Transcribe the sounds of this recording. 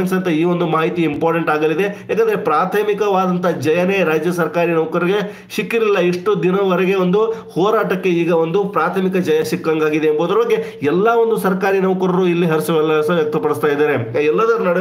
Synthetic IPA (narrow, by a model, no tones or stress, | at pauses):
ɐnsɐnt̪ɐiːʋo̞nd̪umaːɦit̪iimpaːɾʈeɳʈaːɡɐlid̪e̞ɦjaːkɐnd̪ɐɾepɾaːt̪ʰɐmikɐʋaːd̪ɐnt̪ʰɐd͡ʒɐjɐne̞ɾaːd͡ʒjɐsɐɾkaːɾinɐʋkɐɾɐɾiɡe̞ | ʃikːiɾilːɐiʂʈud̪inɐʋɐɾɛɡe̞ʋo̞nd̪uhɔːɾaːʈɐkːe̞iːɡɐʋo̞nd̪upɾaːt̪ʰɐmikɐd͡ʒɐjɐʃikːɐŋɡaːɡid̪eːmboːd̪ɐɾɐbɐɡːe̞ | ɛlːɐʋo̞nd̪usɐɾkaːɾinɐʋkɐɾɐɾuilːiɦɐɾsɐʋɛlːɐɐsɐʋjɐk̚t̪ɐpɐɽist̪aːjd̪aːɾeɛlːɐd̪ɐɾunɐɽe